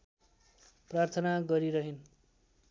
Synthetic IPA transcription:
prart̪ʰʌnaɡʌɾiɾʌɦin

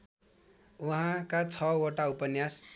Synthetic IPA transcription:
uɦãkat͡sʰʌoʈaupʌnjas

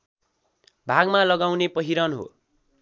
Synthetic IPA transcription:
bʱaɡmalʌɡawnepʌɦiɾʌnɦo̰

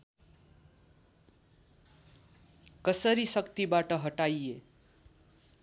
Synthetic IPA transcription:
kʌsʌɾisʌkt̪ibaʈʌɦʌʈaje

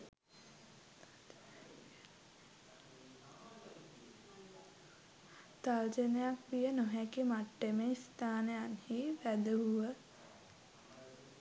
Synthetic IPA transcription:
t̪ald͡ʒənejakʋijənoɦɛkimaʈːemeist̪aːnejanhiʋæd̪əɦuʋə

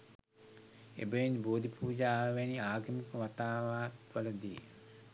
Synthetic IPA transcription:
ḛbəʋinboːd̪ʱipuːd͡ʒaːʋʋeniaːɡiməkəʋat̪aːʋaːt̪ʋələd̪ḭː

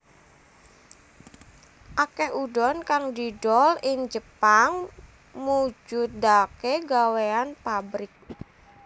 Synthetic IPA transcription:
ʔakɛhudɔnkaŋdiɖɔlɪŋd͡ʒəpaŋ | mud͡ʒʊt̪̚d̪akeɡaweanpabɾɪk̚

